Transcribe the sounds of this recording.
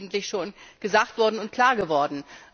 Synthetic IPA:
ɡŋ̩tlɪçʃoːnɡ̥əzaːk̚tv̥ɔɐdn̩ʊntkʰl̥aːɐɡəvɔɐdn̩

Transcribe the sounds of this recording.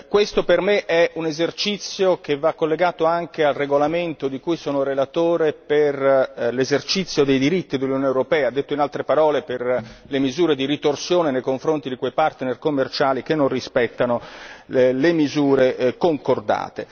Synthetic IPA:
kwest̪opermeʔɛunezert͡ʃit̪sːjok̟evːakːolːeɡaːt̪oaŋkealreɡolament̪od̪ikujsoːnoɾelat̪oːɾeperlezert͡ʃit̪sːjod̪ejd̪iɾit̪ːid̪elːunjonewɾopɛːaːd̪ːet̪ːoinalt̪ɾepaɾɔːleperlemizuːɾed̪iɾit̪orsjoːnenejkoɱfɾont̪id̪ikwejpart̪nerkomːert͡ʃaːlik̟enːonrispɛt̪ːano | lemizuːɾekoŋkord̪a̰ːt̪e

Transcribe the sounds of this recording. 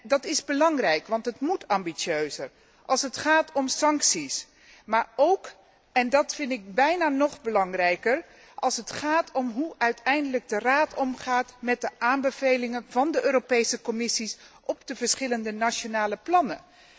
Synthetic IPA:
dɑtɪzbəlɑŋrɛjkʋɑntɦətmutʰɑmbisøɥzəɹ | ʔɑlˠsətχaːtʰɔmsɑŋksis | maːɹowk | ɛndɑtfɪndɪk̚bɛjnaːnɔχbəlɑŋrɛjkər | ʔɑlˠsətχaːtʰɔmɦuœɥtɛjndələɡ̚dəraːtʰɔmχaːtmɛt̚dəʔaːmbəv̥ejlɪŋənvɑndəʔøːropejsəkɔmɪsisʔɔpdəvəɹsχɪləndənaʃonaːləplɑnə

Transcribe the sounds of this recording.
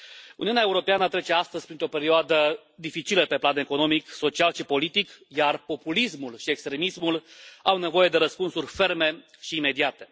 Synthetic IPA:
ṵniunʲaeuɾo̞peanət̪ɾe̞t͡ʃe̞ast̪əzʲpɾint̪ɾo̞pe̞ɾioad̪ə | d̪ifit͡ʃiləpe̞plane̞ko̞no̞mikso̞t͡ʃialʃipo̞lit̪ikjarpo̞pulismulʃiekst̪ɾe̞mismulawne̞vo̞je̞d̪e̞ɾəspunsurʲfe̞rme̞ | ʃiːme̞d̪iat̪e̞

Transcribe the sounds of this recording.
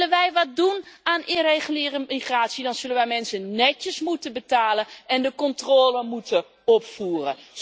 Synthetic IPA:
lənʋɛjʋɑt̚dunaːnʔɪnrejχəlɪːrəiχraːtsidɑnz̥ɵlənʋɛjmɛnsənnːɛcəsmutənbətaːlənɛndəkɔntroːləmutə | ɔpfuːrə̰

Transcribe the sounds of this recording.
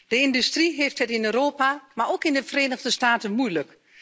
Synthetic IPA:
d̥əɪndystriɦeːftɦətɪnøːɾoːpamaɹokɪndəfəreːnəɣdəstaːtənmujlək

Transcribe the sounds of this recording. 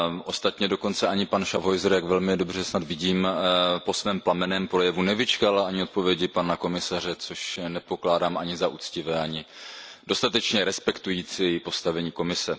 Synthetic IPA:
ʔo̞st̪at̪ɲɛdo̞ko̞nt͡sɛʔaɲɪpanʃavɦo̞jzɾjaɡvɛlmɪdo̞br̝ɛsnad̪vɪɟiːmpo̞svɛːmplamɛnɛːmpɾo̞jɛvunɛvɪt͡ʃkalaɲɪo̞t̪̚po̞vjɛɟɪpanako̞mɪsarɛt͡so̞ʃnɛpo̞klaːdaːmʔaɲɪzaʔṵt͡scɪvɛːaɲɪdo̞st̪at̪ɛt͡ʃɲɛɾɛspɛkt̪ujiːt͡sijɛjɪpo̞st̪avɛɲiːko̞mɪsɛ

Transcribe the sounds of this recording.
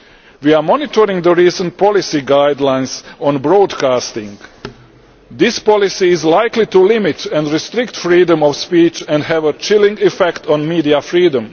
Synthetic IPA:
ʋiamɔnit̪ʰoɾɪ̃ŋɡd̪əɾiːsə̃nt̪̚pɔlisiɡajd̪lãjnsɔ̃nbɾod̪kaːst̪ɪ̃ŋɡ | d̪ɪspɔlisiːzlajklit̪ulɪmit̪ɛ̃ndɾist̪ɾɪkt̪fɾiːdə̃mɔʋspiːt͡ʃɛ̃ndɦɛʋət͡ʃɪlĩŋɡɛfɛkt̪ʰɔ̃nmiːdiafɾiːdə̃m

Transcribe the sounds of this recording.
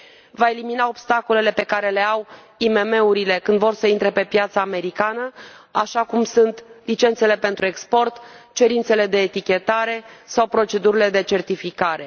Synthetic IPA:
vae̞liminao̞bst̪ako̞le̞le̞pe̞kaɾe̞le̞aw | ime̞me̞uɾile̞kɨnd̪vo̞rsəint̪ɾe̞pe̞pjat̪saːme̞ɾikanəaʃakumsunt̪lit͡ʃe̞nt̪se̞le̞pe̞nt̪ɾue̞kspo̞rt̪t͡ʃe̞ɾint̪se̞le̞d̪e̞ːt̪ikʲe̞t̪aɾe̞sawpɾo̞t͡ʃe̞d̪uɾile̞d̪e̞t͡ʃe̞rt̪ifikaɾe̞

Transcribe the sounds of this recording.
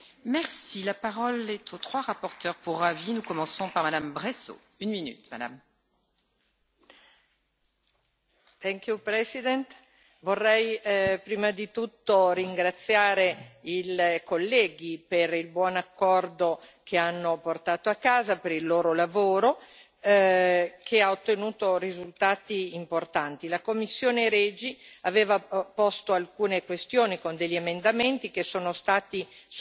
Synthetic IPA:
mɛʁsilapaʁɔlɛt̪ʰot̪χwaʁapɔʁt̪œʁpuʁavinukɔmɑ̃sɔ̃paʁmad̪ambʁeso̰ | ynminy̰t̪mad̪a̰m | t̪ɛŋk̟jupɾɛsid̪ɛnt̪ | vorːɛjpɾiːmad̪it̪ut̪ːoriŋɡɾat̪sːjaːɾeilkolːɛːɡiperilbwɔnakːɔrd̪okʰeanːoport̪aːt̪oakːaːzapeɾilːoːɾolavoːɾo | kʰeaot̪ːenuːt̪oɾizult̪aːt̪iːmport̪ant̪ilakomːisːjoːneɾɛːd͡ʒiaveːvapɔst̪oalkuːnekwest̪joːnikond̪eʎːiemend̪ament̪ik̟esːoːnost̪aːt̪i

